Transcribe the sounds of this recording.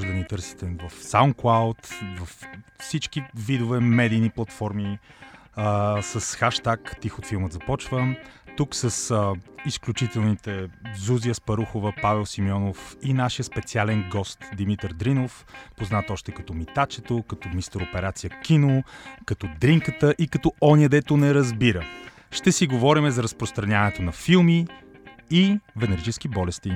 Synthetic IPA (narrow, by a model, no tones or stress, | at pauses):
ʒd̪ənit̪ɤɾsi̥t̪ɛvɐfsaʊnklˠawt̪vɐfsit͡ʃk̟ivid̪ʊvɛmɛd̪iːniplˠɐt̪fɔɾmi | səsxaʃt̪akt̪ixot̪filˠmət̪zɐpɔt͡ʃvət̪uksəsəisklʲut͡ʃit̪ɛlˠnit̪ɛzuziəspɐɾuxovəpavɛlˠsimjɔnofinaʃijəspɛt̪sialɛnɡɔst̪d̪imit̪əɾd̪ɾinof | poznat̪ɔʃt̪ɛkɐt̪ɔmit̪at͡ʃɛt̪okɐt̪ɔmist̪əɾopɛɾat̪sijəkʲinokɐt̪ɔd̪ɾiŋkət̪əʔikɐt̪ɔɔnʲiəd̪ɛt̪onɛɾɐzbiɾə | ʃt̪ɛsiɡovɔɾimɛzɐɾɐspɾost̪ɾɐnʲanɛt̪onɐfilˠmi | ivɛnɛɾit͡ʃɛsk̟ibɔlɛst̪i